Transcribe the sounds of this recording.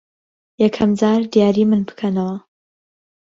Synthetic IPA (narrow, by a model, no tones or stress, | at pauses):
jɛkʰɐmd͡zaːɾd̪jaːɾiːmɨnbɨ̥kʰɐnɐwɐ